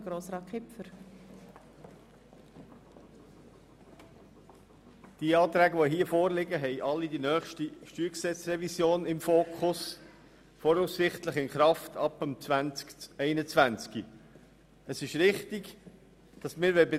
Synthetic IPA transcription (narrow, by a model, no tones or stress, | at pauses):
ɡɾoːsɾɑːt̚kʰɪpfəɾ | d̥iəɑːt̪ɾæːɡəʋoɦiːəfoːɾlɪɡəɦɛɪʔɑlːidinœːχʃtiʃtyːksɛt͡sɾɛvisjoːnɪmfoːkʰχʊs | fɔɾusːɪχtləχɪnχɾɑftʰɑpəmt͡svænt͡skɛɪnət͡svænt͡ski | əsɪʃɾɪχtiɡ | d̥ɑsmɪːɾʋɛbɪ